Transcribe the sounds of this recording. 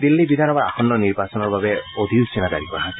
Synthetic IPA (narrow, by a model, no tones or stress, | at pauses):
d̪ilːibid̪ʱanɔmaaxʰɔnːɔniɹbasɔnɔɹbabɛod̪ʱiwsinada̰ɹikɔɦã